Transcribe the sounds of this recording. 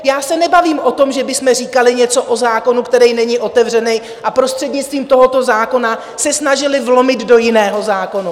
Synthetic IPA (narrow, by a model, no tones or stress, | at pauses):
jaːsɛnɛbaviːmʔo̞t̪o̞mʒɛbɪsmɛriːkalɪɲɛt͡so̞ʔo̞zaːko̞nukt̪ɛɾɛjnɛɲɪʔo̞t̪ɛvr̝ɛnɛj | ʔapɾo̞st̪r̥ɛdɲɪt͡st̪viːmt̪o̞ɦo̞t̪o̞zaːko̞na | sɛsnaʒɪlɪvlo̞mɪd̪do̞jɪnɛːɦo̞zaːko̞nu